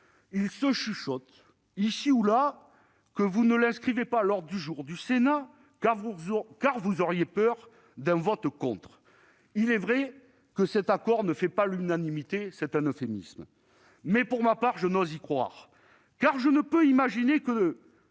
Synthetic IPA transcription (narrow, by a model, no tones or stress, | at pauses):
ilsəʃyʃɔt̪ | isiula | kəvunəlɛ̃skχivepalɔʁd̪d̪yʒuʁd̪ysena | akaʁvuzɔʁjepœʁ | d̪ɛ̃vɔt̪kɔ̃t̪χ | ilɛvʁɛ | kəsɛt̪akɔʁnəfɛpalynanimit̪esɛt̪ɛ̃nɔfemḭsm | mɛpuʁmapaʁʒənwɔzikχwa̰ʁ | kaʁʒənəpøimaʒinekə